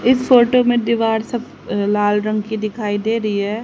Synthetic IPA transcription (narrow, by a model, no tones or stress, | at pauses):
ɪsfoːʈomẽd̪ɪʋaːɾsɐb | laːlɾɐ̃ŋɡkid̪ɪkʰaːid̪eːɾɐɦiɦɛː